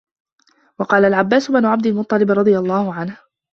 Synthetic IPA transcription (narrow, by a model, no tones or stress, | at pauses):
wɑqɑːlalʕabːaːsʊbnʊʕab̚d̪ɪlmʊt̪ˤːɑlɪbɾˤɑd̪ˤɨjɑlˤːɑːhʊʕanh